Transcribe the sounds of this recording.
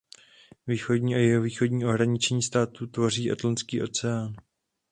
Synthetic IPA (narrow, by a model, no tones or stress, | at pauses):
viːxo̞dɲiːajɛɦoviːxo̞dɲiːʔoɦɾaɲɪt͡ʃɲiːst̪aːt̪ut̪vo̞riːʔat̪lant͡skiːʔo̞t͡sɛaːn